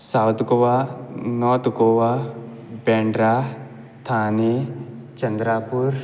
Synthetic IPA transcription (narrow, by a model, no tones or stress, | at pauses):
sawt̪ɡoʋanɔːt̪ɡoʋa | beːɳɖɾa | t̪ʰaːne | t͡ʃɐnd̪ɾaːpuɾ